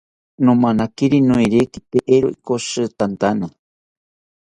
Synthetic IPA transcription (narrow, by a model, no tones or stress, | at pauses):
nõmanakiɾinũiɾekit̪eʔeɾoʔikosɨt̪ant̪ana